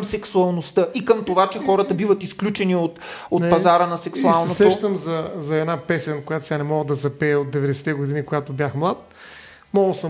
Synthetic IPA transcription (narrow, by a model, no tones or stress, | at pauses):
msɛksuɐlˠnost̪əʔikəmt̪ovat͡ʃɛxɔɾət̪əbivət̪isklʲut͡ʃɛniot̪ot̪pɐzaɾənɐsɛksualˠnɛosɛoʃt̪əmzɐzɐɛd̪napɛsɛnkojat̪o̥sʲanɛmɔɡəd̪ɐzɐpɛːot̪̚d̪ɛvɛd̪ɛsɛ̥t̪ɛɡʊd̪inikoɡat̪obʲjaxmlˠat̪ | mɔɡəsə